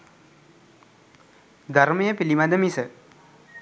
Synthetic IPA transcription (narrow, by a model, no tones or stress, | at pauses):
d̪ʱaɾmɐjəpilimad̪əmisə